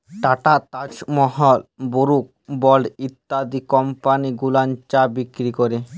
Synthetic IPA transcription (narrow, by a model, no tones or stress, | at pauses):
ʈaʈat̪ad͡ʑmɔɦɔlboɾuk̚bɔlit̪ːad̪ikɔmpaniɡulant͡ɕabikɾikɔɾe